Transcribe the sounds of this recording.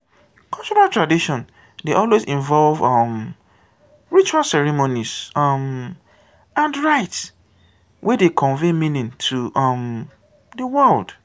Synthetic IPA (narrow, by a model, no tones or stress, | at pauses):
kʰalt͡ʃɔɹaltɹadiʃɔ̃n | deʔɔlwezĩɱvɔlvʌm | ɹit͡ʃualsɛɹimoniz̥ʌm | ãndɹaɪts | wʔedekʰɔ̃nvemĩnĩntʰuʔʌm | dəwɛld̥